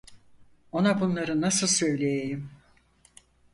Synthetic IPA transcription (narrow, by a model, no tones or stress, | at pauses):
o̞nabunlˠaɾɯnasɯlˠsø̞jlʲejejim